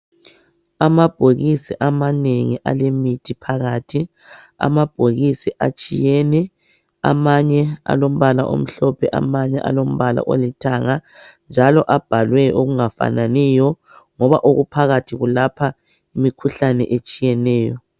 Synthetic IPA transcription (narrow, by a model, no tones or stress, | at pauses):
amab̥ʱoɣisiʔamaneŋiʔalemitʰipʰaɣaːtʰi | a̰mab̥ʱoɣisiʔa̰t͡ʃʼijɛnɛ | a̰maɲɛa̰lom̩βala̰ʔo̰m̩ɬɔpʰɛʔa̰maɲɛʔa̰lom̩βala̰ʔolitʰaŋand͡ʒʱalɔʔab̥ʱalwɛoɣuŋafa̰nanɛjɔ | ŋɔβaʔoɣupʰaɣatʰiɣulapʰa | imikʰuɬanɛ̰ʔet͡ʃʼijɛnɛːjɔ